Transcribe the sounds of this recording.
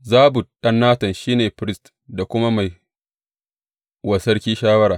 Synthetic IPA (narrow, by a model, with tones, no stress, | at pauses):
zaː˦bʊ˨ɗɐ˦nːaː˦tɐ˨nʃiː˦neː˨pɾɪ˦st | da˨kʷʊ˦ma˦ma˨j | wɐ˨sɐ˦ɽkʲiː˦ʃaː˦wɐ˦ɾaː˨